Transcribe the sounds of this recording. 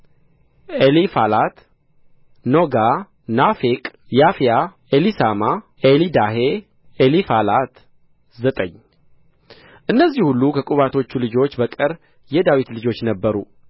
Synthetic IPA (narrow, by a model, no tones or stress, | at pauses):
ʔelifalat̪ | no̞ɡa | nafekʼjafija | elisama | ʔelid̪aɦe | elifalat̪ | zət̪ʼəɲː | ʔɨnːəzːihulːukʰəkʼuβat̪ʰo̞t͡ʃːulɨd͡ʒo̞t͡ʃːbəkʼɨɾ | jɛd̪awit̪lɨd͡ʒo̞t͡ʃːnəbːəɾṵ